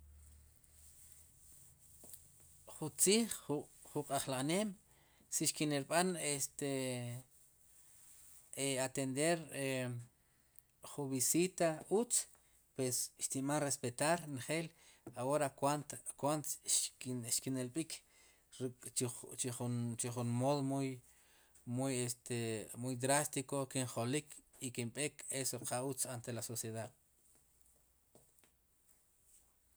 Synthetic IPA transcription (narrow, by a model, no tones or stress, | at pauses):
χunt͡siːχχuqʼaχlaχneːm | siʃkineɾɓanest̪e | eat̪end̪eɾe | χuβisit̪aut͡s | pwesʃt̪imanrespet̪aɾnχeːlawoɾakwant̪kwant̪ʃʃkinelɓikʰ | ɾt͡ʃit͡ʃiχunt͡ʃiχunmoðomuj | mujest̪ʰemujd̪ɾast̪ikokiɴχolikʰikimɓekʰesoqʰaut͡sant̪elasosjeðað